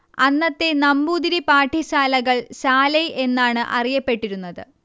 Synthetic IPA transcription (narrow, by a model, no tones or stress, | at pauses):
ɐnːɐt̪ːe̞nɐmbuːd̪iɾipaːʈʰːiɕaːlɐɣɐɭɕaːlɐjʔe̞nːaːɳɨʔɐrijɐpːe̞ʈːiɾunːɐðɨ̰